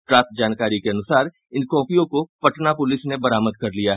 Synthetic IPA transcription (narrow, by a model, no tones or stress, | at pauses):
ʈɾaːt̪̚d͡ʒaːnkaːɾikeɐnʊsaːɾ | ɪnkɔ̃ːpijõkopɐʈnapʊlɪsnebɐɾaːməd̪̚kɐɾlijaɦ